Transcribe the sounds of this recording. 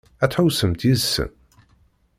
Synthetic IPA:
æt̪ħawsəmt̪jizsə̰n

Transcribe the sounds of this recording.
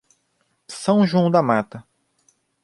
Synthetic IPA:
sɐ̃w̃ʒɐ̃w̃d̪ɐmat̪ɐ

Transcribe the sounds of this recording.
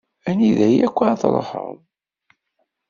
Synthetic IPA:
æniðæjækʷːaθlˤəħə̰m

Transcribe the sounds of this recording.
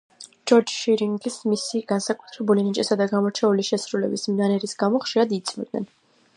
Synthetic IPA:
d͡ʒɔɾd͡ʒʃiɾiŋɡismisiɡ̥ansakʼu̥t̪ʰɾɛbulinit͡ʃʼɛsad̪aɡamɔɾt͡ʃʰɛuliʃɛsɾulɛbismnanɛɾisɡamɔχʃiɾad̪it̪sʰʼmɛ̰d̪̚nɛ̰n

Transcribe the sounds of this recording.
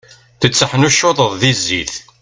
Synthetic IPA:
θət͡sːəħnuʃːoðˤəðˤðizːḭθ

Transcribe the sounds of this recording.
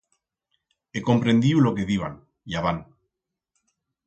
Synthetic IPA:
eko̞mpɾend̪iulo̞keðiβ̞an | jaβan

